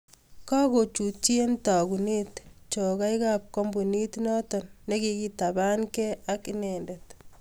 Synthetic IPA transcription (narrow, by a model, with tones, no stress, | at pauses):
kɔ˦ko˨t͡ʃu˨t͡ʃie˦nta˨ku˨ni˦tt͡ʃo˨ka˦jkap̚ko˦mbuni˦tnɔ˦tɔnːekiki˦taba˦nkɛ˦akinɛndet